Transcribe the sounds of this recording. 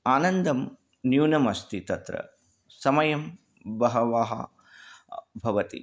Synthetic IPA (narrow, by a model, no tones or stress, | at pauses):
aːnɐnd̪ɐm | njuːnɐmɐst̪it̪ɐt̪ɾɐ̰ | sɐmɐjɐm | bɐɦɐʋaːɦɐ̰ | bʱɐʋɐt̪ḭ